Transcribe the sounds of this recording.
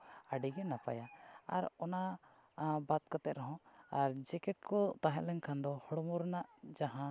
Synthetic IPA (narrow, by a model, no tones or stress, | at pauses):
aɖiɡɛnapa̰jaaɾɔna | bat̪̚kat̪ɛt̪̚ɾɔɦɔ̃aɾd͡ʒɛkɛʈ̚kɔt̪aɦɛ̃ʔlɛɲkʰand̪ɔhɔɽmɔɾnaʔd͡ʒaɦã